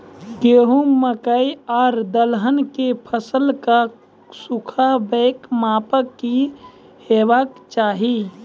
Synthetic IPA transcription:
ɡeːɦuməkəiaːɾd̪əlɦənkepʰəsəlka | sukʰabeːkmaːpəkːi | heːʋakt͡ʃaːɦi

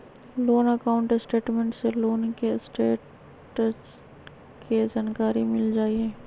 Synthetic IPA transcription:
loːnəkaːʊ̃ɳʈsʈeːʈmẽɳʈseloːnkesʈeːʈ | s | ked͡ʒaːnkaːɾimɪld͡ʒaːieː

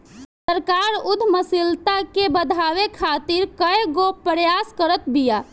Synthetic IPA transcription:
səɾkaɾud̪ʱməsilt̪akebəd̪ʱaʋekʰat̪iɾkəjɡopəɾjaskəɾət̪bija

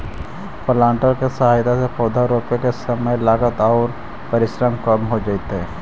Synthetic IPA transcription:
pəlãːɳʈəɾkesɐɦaːjt̪asepʰɔːd̪ʱaɾoːpekesɐməjlaːɡət̪ɔːɾ | pɐɾɪʃɾəmkɐmɦod͡ʒaːɪt̪ɦɛː

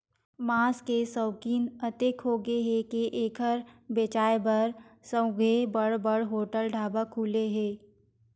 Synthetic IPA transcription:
maːskesəːkiːnət̪ekɦoːɡeɦɛkeʔeːkʰəɾbeːt͡ʃaːebəɾsə̃ɡʱebəɽbəɽɦoːʈəlɖʱaːbakʰuːleɦɛː

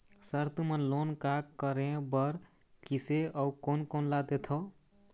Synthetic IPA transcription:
səɾt̪umənlonkakkːəɾẽbəɾ | kiseəukonkonlad̪et̪ʰo

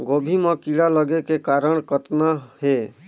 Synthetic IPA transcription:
ɡobʱimə̃kiɽaləɡekekaɾəɳ̃kət̪nahe

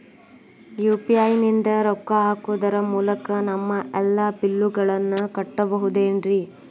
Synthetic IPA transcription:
juːpiaːjnind̪ɐɾɔkːɐaːkuːd̪ɐɾɐmuːlɐkɐnɐmːɐʔɛlːaːpilːuɡɐɭɐnːukɐʈːɐbɐɦud̪eːnɾi

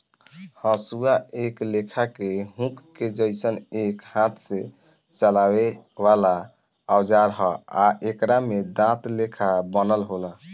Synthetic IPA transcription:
həsuaeklekʰakeɦũkːed͡ʒəɪsənekhãt̪ʰse | t͡ʃəlawebala | awd͡ʒaɾɦəaʔekɾamed̪ãt̪lekʰabənəlɦola

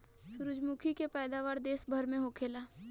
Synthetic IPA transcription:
ʃʊɾʊd͡ʒmukʰikepɛːd̪aʋaːɾd̪eːsbʱɐɾmẽɦokʰeːlaː

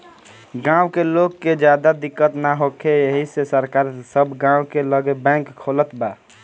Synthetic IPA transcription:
ɡãʊ̃kelokːed͡ʒjad̪ad̪ikːət̪naɦokʰejeɦisesəɾkaɾsəbʱɡãwkeləɡebɛ̃ŋkʰːolət̪ba

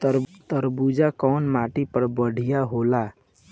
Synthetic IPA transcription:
t̪ɾt̪əɾbud͡ʒakɔːnmaʈipəɾbəɽ̤ʱijaɦola

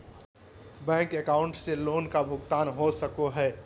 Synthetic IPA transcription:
bɛ̃ːŋkekaːʊɳʈseloːnkabʱʊɡt̪aːnɦosəkoɦɛː

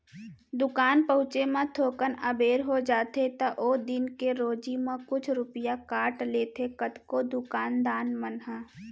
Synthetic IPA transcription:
d̪ʊkaːnpəɦʊ̃t͡ʃemẽt̪ʰoːkənəbeːɾɦod͡ʒaːt̪et̪ɐʔod̪ɪnkeɾoːd͡ʒimẽkʊt͡ʃʰɾʊpəjakaːʈleːt̪ʰekət̪kod̪ʊkaːnd̪aːnmənɦɛ̃

